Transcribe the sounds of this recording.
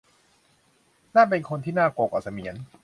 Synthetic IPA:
naː˥˩p̬e˧nkʰo˧nt̪ʰiː˥˩naː˥˩ko˨˩k̚ʔa̰˨˩sa˧mi˨˩˦ən

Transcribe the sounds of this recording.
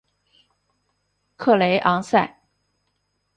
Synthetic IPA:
kʰɤ˥˩le˧˥ɪʔɑ˧˥ŋsa˥˩ɪ

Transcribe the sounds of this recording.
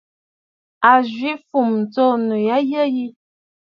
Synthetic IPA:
a˨ʒwi˦fu˨m˨t͡so˦˨nu˨ja˦jə˦ji˦

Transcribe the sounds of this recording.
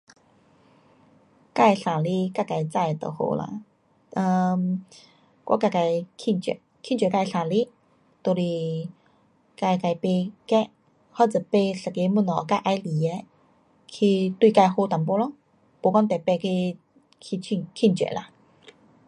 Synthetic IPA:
ka˥˧jɬa˨˩li˦ka˥˩jka˧˩jt͡sa˧˨t̪ə̰˨˩ho̰˧la̰˧ | ə˧m | kwa̰˧˥ka˧˩ka˧˩jkʰi˥˩nt͡ɕɛ̰˧˨˩ | kʰi˥˩˨t͡ɕɛ˨ka˧jɬa˨˩li˦ | t̪o˧li˧ | ka˧jka˧˩jpe˧kɛ˥˧˦ | hɔ˧˩t͡sɨ˨˩pe˧ɬa˨˩ke˧˦mu˥˨nɔ˨ka˧˨ʔa˧jli˨e˧ | kʰi˧t̪wi˧ka˧jho˧t̪a˨˩mpo˧˦lɔ˧˦ | po˧˩kɔ˧˦nt̪ɛ˨˩pe˧kʰi˧ | kʰi˧t͡ɕʰi˧˨ŋkʰi˥˨nt͡ɕɛ̰˧˨la˧

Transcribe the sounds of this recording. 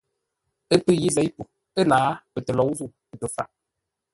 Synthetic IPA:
ə˦pɨ˦˨ji˦zɛ˨˦jpu˨ | ə˦naː˨˦pə˨tə˨lɔ˨˦zu˦˨pə˨tə˨fa̰˨

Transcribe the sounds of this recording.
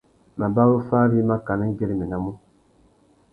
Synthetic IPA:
ma˨ba˦ɣo˦faː˦ɾi˦ma˦ka˨ni˦ɡe˦ɾi˨mi˨na˦mu˦

